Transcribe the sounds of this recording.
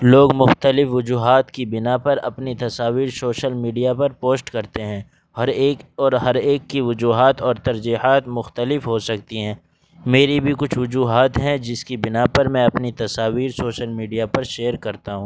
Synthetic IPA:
loːɡmʊxt̪əlɪfʋʊd͡ʒuːɦaːt̪kibɪnapɐɾɐ̰pnit̪ɐsaːʋiːɾsoːʃəlmiːɖijapɐɾpoːsʈkɐɾt̪eɦɛ̃ː | ɦɐɾeːɔːɾɦɐɾeːkːiʋʊd͡ʒuːɦaːt̪ɔːɾt̪ɐɾd͡ʒiːɦaːt̪mʊxt̪əlɪfɦosɐk̚t̪iɦɛ̃ː | meːɾibʱikʊt͡ʃʰʋʊd͡ʒuːɦaːt̪ɦɛ̃d͡ʒɪskibɪnapɐɾmɛ̃ɐpnit̪ɐsaːʋiːɾsoːʃəlmiːɖijapɐɾʃeːəɾkɐɾt̪aɦũː

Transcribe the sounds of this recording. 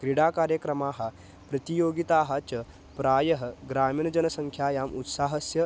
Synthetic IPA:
kɾiɽaːkaːɾjəkɾɐmaːɦɐ̆ | pɾɐt̪ijoːɡit̪aːɦɐt͡ʃɐ | pɾaːjɐɦɐ̆ɡɾaːmiːɳɐd͡ʒɐnɐsɐŋkʰjaːjaːmʔut̪saːɦɐsjɐ

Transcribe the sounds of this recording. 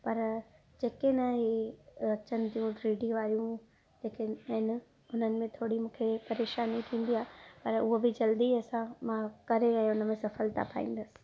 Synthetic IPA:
pɐɾ | d͡ʑeːkenaɦiɐt͡ɕənɪ̆t̪ʰijũʈɾiːɖioaːijũ | d͡ʑeːkeɦɪnɪ | ʊn̤ənɪ̆mẽt̪ʰoːɽimũːkʰepɐɾeːʃaːnit̪ʰĩːn̆d̪iaːepɐɾʊɦobɪd͡ʑɐld̪iɐsãmãkɐɾẽɛ̃ːʊnəmẽsɐfəlt̪ʰa̰pʰa̰ːĩːn̆d̪əsɪ̥̆

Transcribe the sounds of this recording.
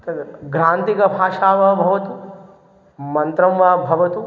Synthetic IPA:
t̪ɐɡɾãːnt̪ikɐbʱaːʃaːʋɐbʱɐʋɐt̪u | mɐnt̪ɾɐ̃mʋabʱɐʋɐt̪u

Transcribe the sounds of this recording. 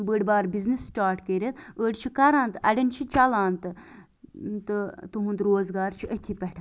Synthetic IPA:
bəɽʲbaːɾbiznisːʈaːɾʈkəɾʲit̪əːɖt͡ʃʰikɐɾaːnt̪ɨɐɖʲɐnt͡ʃʰit͡ʃɐlaːnt̪ɨ | t̪ɨt̪ɨɦũnd̪ɾoːzɡaːɾt͡ʃʰiʔət̪ʰipʲɛʈ̪ʰ

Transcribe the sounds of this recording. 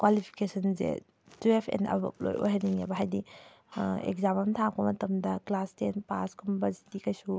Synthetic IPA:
kwalipʰi̥kesʰɐnzḛ | tuepʰḛnɐ̰bɐ̰p̚lo̰jo̰jɦaniŋabɐɦajdi | ḛkzamɐmtʰakbɐmɐtɐmdɐklastenpaskʰumbɐzitikɐjsu

